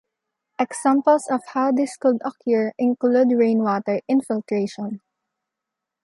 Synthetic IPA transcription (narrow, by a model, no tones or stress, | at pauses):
ʔɛksãmpəlsɔfhawd̪ɪskʊd̪ɔkʰjʊɹʔɪ̃nklud̪ɹẽj̃nwɔt̪ɛɹɪ̃nfɪlt̪ɹeʃɔ̃n